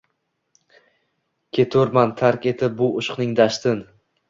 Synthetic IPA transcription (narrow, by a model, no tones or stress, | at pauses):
kʲʰe̞t̪ʰoɾmant̪ʰaɾkʲe̞t̪ʰɪp̚bʊʔʊʃqnɪŋd̪aʃt̪ɪn